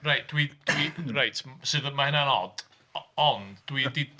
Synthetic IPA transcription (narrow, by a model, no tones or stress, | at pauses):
rajt̚d̥wid̥wirajtʰsɨðmahɪnanɔ̰d̥ | ɔndːwidi